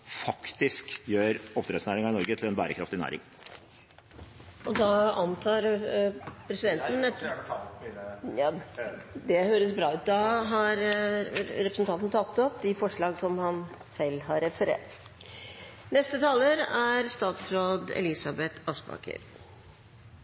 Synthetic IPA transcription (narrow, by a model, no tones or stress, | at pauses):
fɑkt̪ɪskjøːɾɔft̪ɾɛsnæːɾɪŋɑɪnɔɾɡət̪ʰɪlɛnbæ̰ːɾəkʰɾɑ̰ft̪ɪnæ̰ːɾɪ̰ŋ | ɔd̪ɑɑnt̪ʰɑːɾ | pʰɾɛsɪd̪ɛnt̪nɛ | jɑ | d̪ɛhøːɾəsbɾɑːʉːt̪̚d̪ɑɦɑɾ | ɾɛpɾəsn̩t̪ʰɑnt̪nət̪ʰɑt̪ːɔpd̪ɪfɔʂɭɑːɡsɔmhɑn | sɛlːɦɑɾɛfəɾḛːt | nɛst̪ət̪ʰɑːləɾæɾst̪ɑːt̪sɾoːd̪ɛ̰lɪsɑbɛt̪ʰɑsbɑ̰ːkʰə̰ɾ